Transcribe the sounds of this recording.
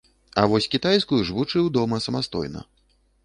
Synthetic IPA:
ɐ̰vɔsʲkʲit̪ajskujuʐvut͡ʂɨwd̪ɔmɐsɐmast̪ɔ̰jnɐ̰

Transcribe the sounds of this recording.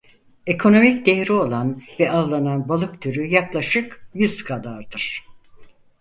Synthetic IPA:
ekʰo̞no̞micd̪ejɾio̞lˠanvɛalˠananbalˠɯkt̪ʰyɾyjaklˠaʃɯkjyz̥kʰad̪aɾd̪ɯɾ̥

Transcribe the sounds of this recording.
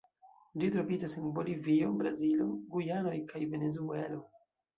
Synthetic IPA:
d͡ʒitɾo̞vid͡ʒasenbolivio̞bɾazilo̞ɡujano̞jkajve̞ne̞zue̞lo̞

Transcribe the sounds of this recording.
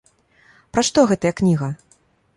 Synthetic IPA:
pɾaʂt̪ɔɣɛt̪ɐjɐknʲiɣɐ

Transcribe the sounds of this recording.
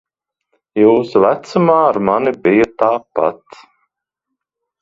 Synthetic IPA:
juːsuvæt̪sumaːaɾmanibijɐt̪aːpa̰t̪

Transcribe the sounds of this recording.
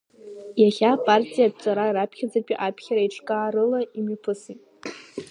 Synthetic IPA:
jaχʲapʼartʲʼijapʼt͡sʼaɾaiɾapʰχʲad͡zapʲʼiʔapʰχʲaɾaiʈ͡ʂʰkʼaːrɨlaimipʰɨsitʼ

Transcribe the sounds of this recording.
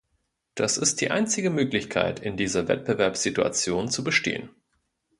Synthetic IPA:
d̥asɪst̚d̥iːʔaɪnt͡sɪɡəmøːklɪçkʰa̰ɪtʰɪndiːzɐvɛ̰t̚b̥əvɛɐpsz̥itua̰t͡sjoːnt͡subəʃtḛːən

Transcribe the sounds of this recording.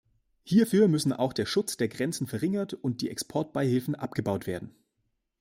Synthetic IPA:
hiːɐfyːɐmʏsn̩ʔa̰ʊxd̥eːɐʃʊt͡sd̥eːɐɡʁɛnt͡sn̩fɛɐʁɪŋɐtʊnt̚d̥iːʔɛkspʰɔɐt̚b̥aɪhɪlfn̩ʔap̚ɡ̥əbaʊtv̥eːɐdn̩

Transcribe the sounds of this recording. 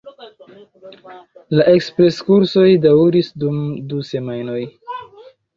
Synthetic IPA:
laʔe̞kspɾe̞skuɾso̞jdawuɾisdumduse̞majno̞j

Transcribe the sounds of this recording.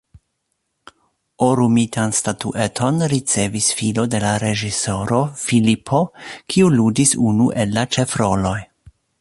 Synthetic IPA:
oɾumitʰanstatuʔe̞tʰo̞nɾit͡se̞visfilo̞de̞laɾe̞ʒiso̞ɾo̞filipʰo̞kʰiuludisunuʔe̞lːat͡ʃe̞fɾo̞lo̞j

